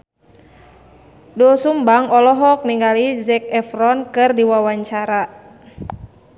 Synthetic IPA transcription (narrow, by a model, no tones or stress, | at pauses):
dɔsumbaŋɔlɔɦɔk̚niŋɡalizɛk̚ɛfrɔnkɨrdiwawaɲt͡ʃaɾa